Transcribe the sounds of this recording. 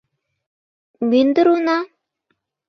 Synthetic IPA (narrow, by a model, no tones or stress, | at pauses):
mynd̪ə̆ɾunɑ